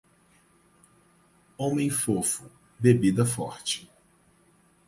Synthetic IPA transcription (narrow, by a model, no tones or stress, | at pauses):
õmẽj̃fofʊ | bebid̪ɐfɔ̰ɾt͡ʃɪ̥